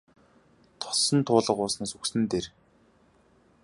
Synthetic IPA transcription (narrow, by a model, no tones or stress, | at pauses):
t̪ʰɔ̥sɞ̆nt̪ʰʊːɮə̆qʊːsnaːsuksɘ̆nt̪eːr